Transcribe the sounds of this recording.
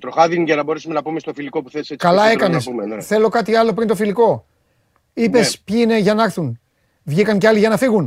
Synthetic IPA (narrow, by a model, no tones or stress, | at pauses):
t̪ɾoxɐðinʝɐnɐbo̞ɾesume̞nɐpumest̪ofiliko̞pu̥θeliset͡sːsikɐlɐe̞kɐnesumθe̞lo̞kɐt̪iɐlo̞p̬ɾint̪ofiliko̞ | ipe̞spçiine̞ʝɐnɐɾθun | vʝikɐŋceɐliʝɐnɐfiɣun